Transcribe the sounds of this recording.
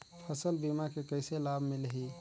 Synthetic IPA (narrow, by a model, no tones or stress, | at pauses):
pʰəsəlbimakekəjselabʱmelɦi